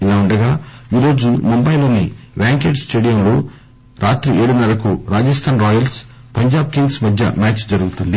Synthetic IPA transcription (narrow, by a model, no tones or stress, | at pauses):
ilaːuɳɖɐɡaːiːɾo̞ːd͡ʒumumbɐjlo̞ːniʋjaːŋkeːʈsʈeːɽijɐmlo̞ː | ɾaːt̪ɾieːɽunɐlɐkuɾaːd͡ʒɐst̪ʰaːnɾɔːjɐls | pɐɲd͡ʒaːb̚kiŋɡsmɐd̪ʱjɐmaːt͡ʃd͡ʒɐɾuɡut̪und̪i